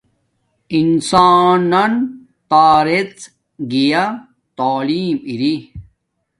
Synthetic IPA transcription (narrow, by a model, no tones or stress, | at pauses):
insaːnːɐn | t̪aːɾet͡s | ɡija | t̪aːliːmiɾi